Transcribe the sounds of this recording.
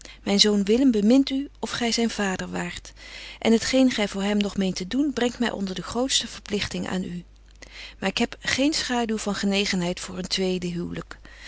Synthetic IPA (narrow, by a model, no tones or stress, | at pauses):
mɛjnzownʋɪləmbəmɪntyɔfχɛjzɛjnv̥aːdəɹʋaːɹtʔɛ̰nɦətχejnχɛjvʊːɹɦɛmnɔχmejntədunbrɛŋtmɛ̰jʔɔ̰ndəɹdəχrowtstəv̥əɹplɪχtɪŋa̰ːny | maːɹɪkɦɛpχejnsχaːdylˠvɑnχənejχənɦɛjtfʊːɹəntʋejdəɦywlək